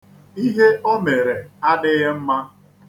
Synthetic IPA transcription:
i˦ɦe˦ʔo˦me˨ɾe˨a˦dɪ˦ɣɪ˦m̩˦ma˦

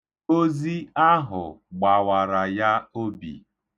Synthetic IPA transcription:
o˦zi˦a˦ɦʊ̰˨ɡ͡ba˨wa˨ɾa˨ja˦o˦bḭ˨

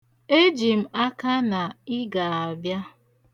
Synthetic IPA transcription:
e˦d͡ʒi˨m̩˨a˦ka˦na˨ɪ˦ɡa˨a˨bja˦

